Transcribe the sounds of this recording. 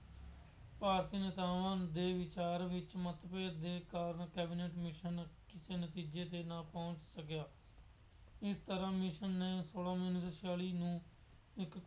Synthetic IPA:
paːɾt̪iːnət̪aːʋãːd̪eːʋɪt͡ʃaːɾʋɪt͡ʃmət̪peːd̪eːkaːɾənkɛːbɪneːʈmɪʃənkɪseːnət̪iːd͡ʒeːt̪eːnãːpɔ̃ːt͡ʃsəkjaː | ɪst̪əɾãːmɪʃənːeːsoːlãːmiːnsəʃaːliːnũː | ɪk

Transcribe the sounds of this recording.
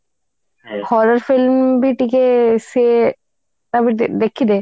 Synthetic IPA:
hɔɾaɾfilmbiʈikese | t̪abid̪ekʰːid̪e

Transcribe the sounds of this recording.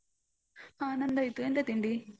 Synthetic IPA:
aːnɐnd̪ɐjt̪uend̪ɐt̪iɳɖi

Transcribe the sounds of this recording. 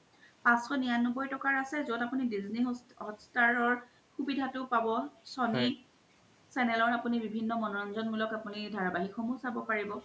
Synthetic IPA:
pãsxɔnijanɔbɔjtɔkaɹasɛzotapunidizniɔtstaɹɔɹ | xubidʱatʊpabɔsɔni | sɛnɛlɔɹapunibibʱinːɔmɔnɔɹɔnzɔnmulɔkapunidʱaɹabaɦixɔmusabɔpaɹibɔ

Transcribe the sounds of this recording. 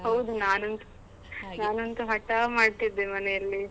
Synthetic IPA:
hɐwd̪unaːnɐnt̪u̥ | naːnont̪uɦɐʈːaːmaːɽt̪id̪ːemɐnɛjɐlːi

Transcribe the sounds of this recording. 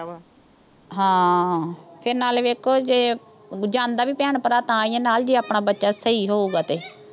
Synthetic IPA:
ɦãː | pʰɪɾnaːlʋeːkʰoːd͡ʒeː | d͡ʒãːnd̪aːʋiːpɛːɳpəɾaːt̪ãːɪãːnaːld͡ʒiːaːpɳaːbətːʃaːsəiːɦoːuːɡaːt̪eː

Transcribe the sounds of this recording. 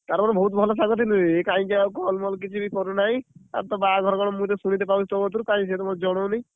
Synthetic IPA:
t̪aɾmɔnebʱɔɦut̪̬bʱɔlɔsaŋɡɔt̪ʰinuekaĩd͡ʒakɔlmɔlk̬it͡ʃʰibikɔɾunaĩa̰ɾt̪ɔbaɡʱɔɾɔɡɔɽɔmũt̪esuɽ̃it̪̬epaut͡ʃʰit̪ɔbɔt̪uɾukãĩs̬et̪ɔmɔt̪d͡ʒɔɽ̃ɔnej̃

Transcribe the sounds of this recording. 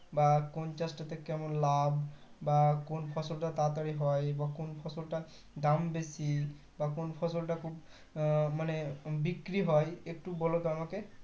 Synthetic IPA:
bakɔnt͡ʃastat̪ɛkɛmɔnlabbakunpʰɔsɔltat̪at̪aɹiɦɔjbakunpʰɔsɔlta | dambesi | bakunpʰɔsɔltakʰub | manɛbikɹiɦɔjek̚tubɔlɔɡamɔkɛ

